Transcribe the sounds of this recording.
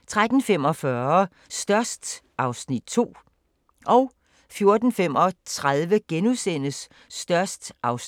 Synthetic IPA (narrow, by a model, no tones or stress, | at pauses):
t͡sʰʁad̥n̩fem̰ɒ̽fɶɐ | sd̥ɶɐ̰sd̥ | ʔɑ̈ʊsnid̥̚t͡sʰo̝̰ː | ʔɒ̽ʊ | fjo̝ɐd̥n̩fem̰ɒ̽t͡sʰʁaðˠʋəɡ̥enuðˠsen̰əsː | d̥ɶɐsd̥ʔɑ̈ʊs